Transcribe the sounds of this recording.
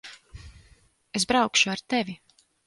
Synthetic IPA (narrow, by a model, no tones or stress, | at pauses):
esbɾawkʃuaɾt̪evi